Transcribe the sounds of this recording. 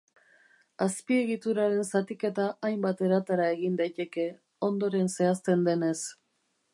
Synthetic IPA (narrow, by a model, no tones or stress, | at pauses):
aspie̞ɣit̪uɾaɾe̞nsat̪ike̞t̪aʔajmbat̪e̞ɾat̪aɾae̞ɣind̪ajt̪e̞ke̞ | o̞nd̪o̞ɾe̞nse̞ast̪e̞nd̪e̞ne̞s